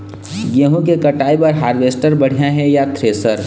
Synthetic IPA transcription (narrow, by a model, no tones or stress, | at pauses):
jeɦũkekɐʈaːipɐɾɦaːɾʋeːsʈəɾbɐɽ̤ijaɦɛjat̪ʰɾeːsəɾ